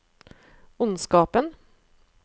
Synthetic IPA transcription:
ʊnskɑːpən

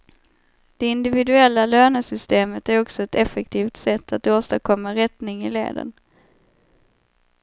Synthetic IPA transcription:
d̪̥ɛɪnd̪ɪvɪd̪ɵɛlːaløːnəsʏst̪eːmət̪æɾɔksɔɛt̪ɛfɛk̚t̪ʰiːft̪sɛt̪ʰːat̪oːst̪akʰɔmːaɾɛt̪nɪŋɪlḛːd̪ə̰n

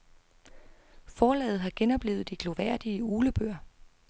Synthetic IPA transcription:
fɒːlɛ̰ːð̩ˠɦɑ̈ɡ̥enɒ̽b̥le̝̰ʊð̩ˠd̥iɡ̥lo̝ʋæɐ̰d̥iəuːləb̥øɐ̰

